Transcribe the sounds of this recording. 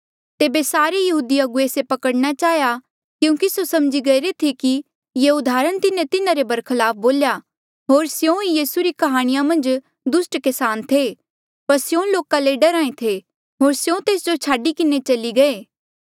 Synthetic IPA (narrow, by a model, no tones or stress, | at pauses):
t̪eːbesaːɾejɐɦuːd̪iɐɡueːsepɐkəɽnat͡ʃaːɦja | kjũːkisosɐmd͡ʒiɡɐiɾet̪ʰiki | jeʊd̪ʱaːɾəɽ̃t̪ɪnẽt̪ɪnãɾebɐɾkʰɪlaːp̚ʰboːlja | ɦoːɾsjõːnjiːsuɾikɐɦaːɽ̃ɪjamɐ̃nd͡ʒ | d̪ʊsʈkɛsaːnt̪ʰe | pɐɾsɪjõːloːkaleɖəɾãːẽt̪ʰe | ɦoːɾsjõt̪eːsd͡ʒot͡ʃʰaːɖikɪnet͡ʃɐliɡɐeː